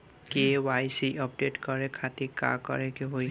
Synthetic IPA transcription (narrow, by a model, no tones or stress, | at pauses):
kewajsiʔɔp̚detkɔɹɛkʰatika̰kɔ̰ɹɛkeɦoj